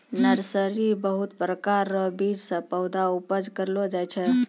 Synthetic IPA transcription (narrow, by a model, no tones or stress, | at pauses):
nəɾsəɾibəɦut̪pɾəkaɾːɔbid͡ʒsə̃pəwd̪aupəd͡ʒkəɾlod͡ʒajt͡ʃʰɛ